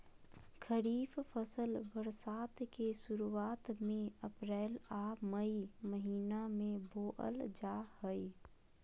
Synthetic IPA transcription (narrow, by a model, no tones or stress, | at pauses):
kʰəɾiːffəsəlbəɾsaːt̪kesʊɾuaːt̪mẽəpɾɛːlaːməiməɦiːnamẽboːʔə̰ld͡ʒaːhəi